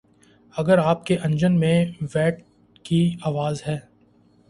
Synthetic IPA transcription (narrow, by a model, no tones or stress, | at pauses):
ɐɡəɾaːp̚keʔɐ̃ɲd͡ʒənmẽʋɛːʈ | kiaːʋaːzɦɛː